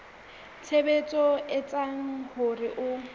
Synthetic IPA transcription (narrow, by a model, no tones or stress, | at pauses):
t͡sʰebet͡sʼɔɪt͡sʼaŋ̩hʊrɪʔʊ